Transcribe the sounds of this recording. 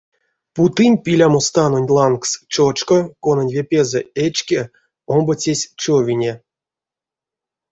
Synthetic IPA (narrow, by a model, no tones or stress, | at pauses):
put̪ɨnʲpʲilʲamost̪anonʲlˠankst͡ʃot͡ʃkokonanʲvʲepʲezɛet͡ʃkʲe | ombot͡sʲesʲt͡ʃovʲinʲe